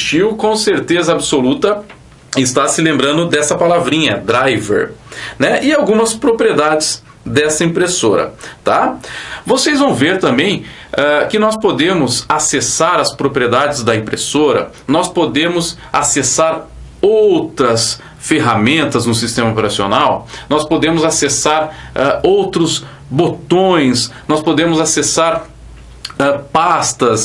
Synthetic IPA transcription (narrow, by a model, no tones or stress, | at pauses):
t͡ʃiwkõseɾt̪ezɐabɪsolut̪ɐ | ɪst̪asɪlẽmbɾɐ̃nd̪ʊd̪ɛsɐpalavɾĩɲɐd̪ɾajvḛɾnɛʔɪawɡũmɐspɾopɾied̪ad͡ʒɪs | d̪ɛsɐĩpɾesoɾɐ̰t̪avosejzvɐ̃w̃veɾt̪ɐ̃mbẽj̃ɛkɪnɔspod̪ẽmʊzasesaɾɐspɾopɾied̪ad͡ʒɪzd̪ɐĩmpɾesoɾɐ̰ | nɔspod̪ẽmʊz | asesaɾ | owt̪ɾɐs | feɦamẽnt̪ɐznʊsist̪ẽmɐopeɾasio̰nawnɔspod̪ẽmʊzasesaɾɛowt̪ɾʊz | bot̪õj̃snɔspod̪ẽmʊzasesaɾ | ɛpast̪ɐs